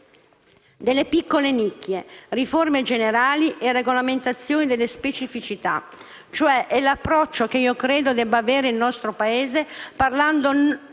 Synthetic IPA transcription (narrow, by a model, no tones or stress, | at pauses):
d̪elːepikːolenikːjeriformed͡ʒeneɾaːliʔereɡolament̪at̪sːjoːnid̪elːespet͡ʃifit͡ʃit̪a̰ | t͡ʃoɛʔɛlapːɾɔt͡ʃːokeiːokɾeːd̪od̪ɛbaveːɾeilnɔst̪ɾopaeːzeparland̪o